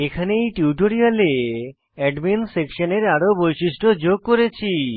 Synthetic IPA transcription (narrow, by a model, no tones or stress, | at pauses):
ekʰanejʈiwʈoɾiale | ɛɖminsekʃaneɾaɾobojʃiʃʈod͡ʑoɡ̚koɾet͡ɕʰi